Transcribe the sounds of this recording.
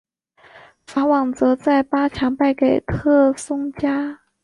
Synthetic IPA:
fa˧˥wɑ˨˩ŋt͡sɤ˧˥t͡sa˥˩ɪpa˥t͡ɕʰɑ˧˥ŋpa˥˩ɪke˨˩ɪt̪ʰɤ˥˩sʊ˥ŋt͡ɕja˥

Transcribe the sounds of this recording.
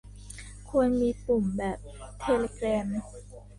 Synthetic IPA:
kʰu˧ənmiː˧plu˨˩mbɛː˨˩p̚t̪ʰeː˧leː˧kɾɛː˧m

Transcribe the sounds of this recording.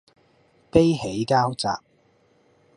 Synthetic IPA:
pe˥jɦe˨˥jkaː˥wt͡sa̰ː˨p̚

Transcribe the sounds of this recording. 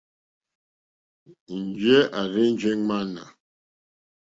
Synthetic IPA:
n̩˨d͡ʒɛ˦ʔa˨ɾe˦n˦d͡ʒɛ˦ŋa˦na̰˨

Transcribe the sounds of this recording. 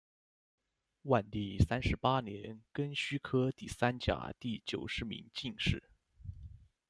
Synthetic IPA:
wa˥˩nt̪i˥˩sa˥nʂɻ̩˧˥pa˥njɛ˧˥nkə˥nɕy˥kʰɤ˥t̪i˥˩sa˥nt͡ɕja̰˨˩t̪i˥˩t͡ɕjo˨˩ʊʂɻ̩˧˥mḭ˧˥ŋt͡ɕi˥˧ŋʂɻ̩˥˩

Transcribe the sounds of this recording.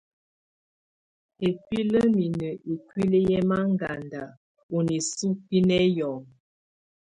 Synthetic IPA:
e˨kwi˦lə˦mi˨nə˨ʔe˨kwi˦lə˦jɛ˦ma˦ŋɡa˨nda˨ | o˨ni˨su˦ki˦nɛ˦jɔ˨ŋ

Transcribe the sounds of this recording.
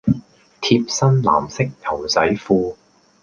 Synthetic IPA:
t̪ʰiː˧p̚sɐ˥nla̰ː˨˩msɪ˥k̚t̪ʰɐ˨˩wt͡sɐ˨˥jfuː˧

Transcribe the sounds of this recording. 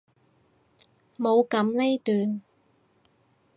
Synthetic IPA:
mo˨˧wkɐ˨˧˥mle˥jt̪yː˨˧n

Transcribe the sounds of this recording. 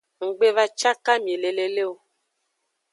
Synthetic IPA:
ŋ̩˨ɡ͡be˦va˦t͡ʃa˦ka˦mi˨e˨le˨le˨le˦o˨

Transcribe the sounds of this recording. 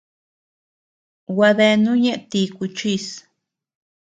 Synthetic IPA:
wa˧ðe˧nũ˦ɲẽ˦ʔt̪i˧ku˧t͡ʃi˧s

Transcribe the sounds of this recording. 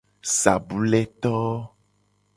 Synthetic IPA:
sa̰˨bu˦lɛ˦t̪ɔ˦

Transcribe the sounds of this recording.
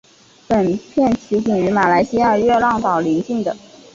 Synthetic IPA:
pə˨˩npʰjɛ˥˩nt͡ɕʰi˧˥t͡ɕi˨˩ŋy˧˥ma˨˩la˧˥ɪɕi˥ja˥˧ɥɛ˥˧lɑ˥˩ŋt̪ɑ˨˩ʊli˧˥ŋt͡ɕi˥˩ŋd̪ə˩

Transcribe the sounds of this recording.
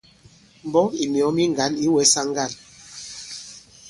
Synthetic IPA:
m˨bɔ˦i˨mjɔ˨˦mi˦ŋ˨ɡa˨˦ni˦wɛ˨˦sa˦ŋ˦ɡa˦˨n

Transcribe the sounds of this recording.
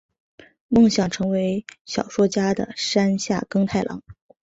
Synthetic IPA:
mɤ˥˩ŋɕjɑ˨˩ŋʈ͡ʂʰɤ˧˥ŋwe˧˥ɪɕjɑ˨˩ʊʂwɔ˥t͡ɕja˥d̪ə̰˨ʂa˥nɕja̰˥˩kɤ˥ŋt̪ʰa˥˩ɪlʔɑ̰˧˥ŋ

